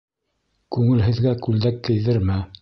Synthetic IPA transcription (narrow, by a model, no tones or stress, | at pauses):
kʉŋɘ̆lɦɘ̆ðɡækʉld̪ækːɘ̆jðɘɾmɘ